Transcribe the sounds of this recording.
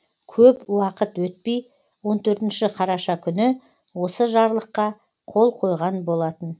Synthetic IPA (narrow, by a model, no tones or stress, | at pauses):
kʲʰɵpwɑqət̪wɵt̪̚pej | wo̞nt̪ʰɵɾt̪ɪnʃɪqʰɑɾɑʃɑkʲʰʏnɪ | wo̞səʒɑɾlˠəqːɑ | qʰo̞lˠqʰo̞jʁɑnbo̞lˠɑt̪ən